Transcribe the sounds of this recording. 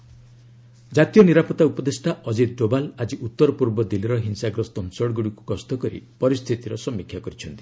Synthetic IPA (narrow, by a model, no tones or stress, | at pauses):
d͡ʒat̪ijɔniɾapɔt̪aupɔd̪esʈʰaʔɔd͡ʒid̪̚ɖobalad͡ʒiʔut̪ːɔɾɔpuɾbɔd̪iliɾɔɦinsaɡɾɔst̪ɔnsɔɽɡuɽikukɔst̪ɔkɔɾḭpɔɾist̪ʰit̪iɾɔsɔmːikʰːjakɔɾit͡ʃʰɔnt̪i̥